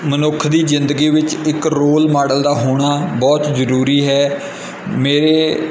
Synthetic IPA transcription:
mənʊkʰd̪iːzɪnd̪əɡiːʋɪt͡ʃɪkɾoːlmaːɽəld̪aːɦoːɽ̃aːbɔːt̪zəɾuːɾiːɦɛː | meːɾeː

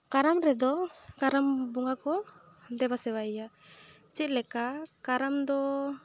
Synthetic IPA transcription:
kaɾamɾɛd̪ɔkaɾambuŋakɔ | d̪ɛbasɛβaija | t͡ʃiʔlɛkakaɾamd̪ɔ

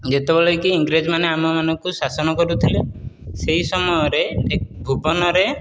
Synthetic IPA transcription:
d͡ʒet̪ebɔlekiːŋɡɾed͡ʒmaneamɔmanɔŋkusasɔnɔkɔɾut̪ʰileseɦisɔmɔjɔɾeebʱubɔnɔɾe

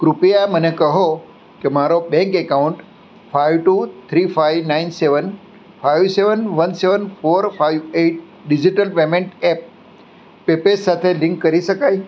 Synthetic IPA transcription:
kɾʊpijamɐ̃nẽkɐɦo | kemaːɾoɓẽŋkekaʊ̃ɳʈ | fʰaːɪʋʈuːt̪ʰɾiːfʰaːɪʋnaːɪnseʋən | fʰaːɪʋseʋənʋɐnseʋənpʰoːɾpʰaːɪʋeːʈ̚ | ɖɪd͡ʑiʈəlpeːmẽɳʈɛːp̚ː | eːpesaːt̪ʰelɪ̃ŋkːɐɾisɐkaːi

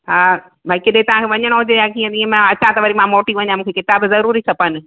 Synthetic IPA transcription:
ɦaː | bʱaːikiɗɦẽt̪ɐʋ̤ãkʰeʋɐɲəɽ̃oɦʊd͡ʑejakiẽd̪iẽmɛ̃ɐt͡ɕãt̪ɐʋɐɾimãmoːʈiʋɐɲãmũːkʰekɪt̪aːbzɐɾuːɾikʰɐpənɪ̆

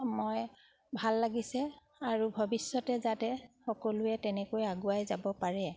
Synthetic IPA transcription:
moj | bʱalːaɡisɛ | aɹubʱɔbisːɔtɛzatɛxɔkɔlʊɛtɛnɛkojaɡʊajzabɔpaɹɛ

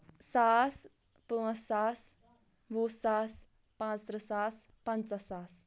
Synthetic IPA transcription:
sas | puãsas | ʋusaːs | pãːt͡st̪ɾəsaspant͡sasaːs

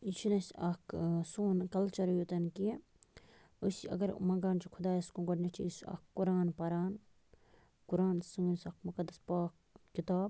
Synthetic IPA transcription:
it͡ʃʰinɐsɐksoːnkɐlt͡ʃɐɾjot̪ɐnki | usiɐ̰ɡɐɾmɐ̃ŋɡaːnt͡ʃikʰʊd̪aːjɐskũɡɐɖnɐt͡ʃʰiisɐ̰kkːuɾaːnpɐɾaːn | kuɾaːnsɨŋɡnsɐkmukɐd̪ːɐspaːk | kit̪aːb

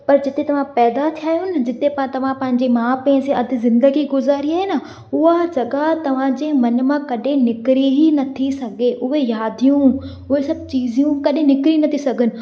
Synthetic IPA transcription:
pɐɾd͡ʑɪt̪et̪ɐʋ̤ãpɛːd̪at̪ʰijaːɦijunɪd͡ʑɪt̪epat̪ɐʋ̤ãpɐ̃ɦɪ̃ɲd͡ʑimãːpɛ̃ːseɐd̪ʱɪ̆zɪ̃nd̪əɡiɡʊzaːɾiaːɦena | ʊɦad͡ʑɐɡat̪ɐʋ̤ãd͡ʑeːmɐnmãkɐɗẽnɪkɾiɦinɐt̪ʰisɐɡʱeʔʊɦejaːd̪ʱijũ | ʊɦesɐbt͡ɕiːzijũkɐɗẽnɪkɾinɐt̪ʰisɐɡʱɪnɪ̆

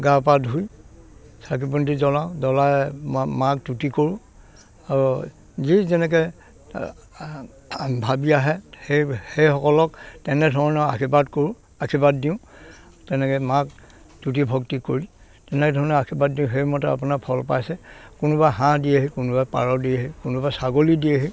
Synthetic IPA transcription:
ɡapadɦuj | sak̬ipuntizɔlaʊ̃dɔlajmak̚tutikoɹũ | aɹu | zizɛnɛk̬ɛ | bʱabiaɦɛhehejxɔkɔlɔktɛnɛdʱɔɹɔnɛa̰kʰibatkoɹũ | akʰibat̚diʊ̃ | tɛnɛkɛmak̚ | tutibʱɔktikoɹi | tɛnɛdʱɔɹɔnɛakʰibat̚diʊ̃ɦejmɔtɛa̰p̬unakpʰɔlpa̰jsɛkʊnʊbaɦãdiaɦikʊnubajpa̰ɹɔdiaɦikunubasaɡolidiaɦi

